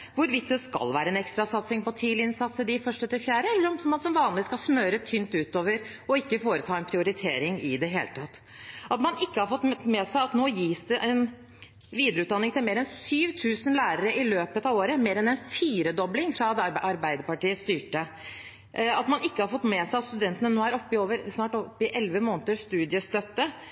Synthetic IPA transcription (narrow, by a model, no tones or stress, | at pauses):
ʋʊɾʋɪt̪̚d̪ɛskɑ̰lʋæːɾəɛnɛkst̪ɾɑsɑt̪sɪŋpɔt̪ʰiːlɪɪnsɑt̪səd̪ɪfœʂʈət̪ʰɪlfjæːɾəɛlːəɾɔmsɔmːɑnsɔmʋɑːnlɪskɑlsmøːɾət̪ʰynt̪ʉːt̪oːʋəɾ | ɔɪkːəfoːɾət̪ʰɑːɛnpʰɾɪʊɾɪt̪ʰeːɾɪŋɪd̪ɛɦḛːlət̪ʰɑt̪ː | ɑt̪mɑnɪkːəhɑɾfɔt̪ːmɛːsæɪɑt̪noːjiːsd̪ɛʔɛn | ʋiːd̪ɾəʉt̪̚d̪ɑnːɪŋt̪ʰɪlmeːɾɛnsyːʋt̪ʰʉːsənlæːɾəɾəʔɪløːpət̪ɑːʋoːɾəmeːɾɛnɛnfiːɾəd̪ɔblɪŋfɾɑd̪ʔɑɾbæɪd̪əɾpɑʈiːəst̪yːʈə | ɑt̪mɑnɪkːəhɑɾfɔt̪ːmɛsæɪɑt̪st̪ʉd̪ɛnt̪ənənoːæɾɔpːɪoːʋəɾsnɑːʈɔpːɪʔɛlʋəmoːnət̪əst̪ʉːd̪ɪəst̪œt̪ːə